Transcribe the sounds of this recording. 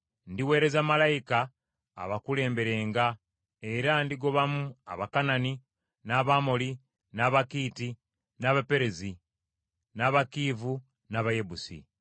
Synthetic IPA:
ndiwe̞ːɾe̞zamalajika̰ː | βakule̞ːmbe̞ɾe̞ːŋɡa | e̞ɾandiɡo̞βamua̰βakanani | naβamoli | naːβakiːti | naːβape̞ɾezi | naβakiːvu | naːβaje̞busḭ

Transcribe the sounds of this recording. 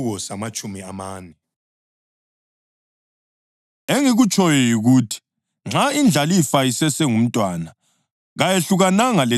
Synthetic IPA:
ɣɔsamat͡ʃʼumiamaːnɛ | eŋiɣut͡ʃʼɔjɔjiɣuːtʰi̥ | ŋ͡ǁʱaind͡ɮʱalifaisɛsɛŋum̩tʼwana | ɣajeɬuɣanaŋale

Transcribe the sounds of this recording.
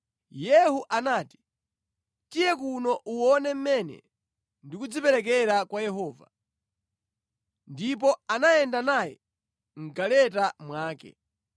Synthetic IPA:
jɛhuʔanaːti̥ | tijɛkunɔʔuwɔnɛm̩mɛnɛ̰ | ndikud͡zipɛɾɛk̬ɛɾakwajɛɦɔːva̰ | ndip̬ɔanajɛndanajɛ̰ | ŋ̩ɡalɛtamwaːkɛ̰

